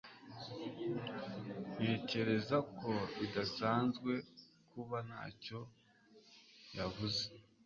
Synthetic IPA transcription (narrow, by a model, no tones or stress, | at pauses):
n̥e̞ːce̞ɾe̞zakʰo̞idasaːnzɡwe̞ | kuβana̰ːco̞ | javuze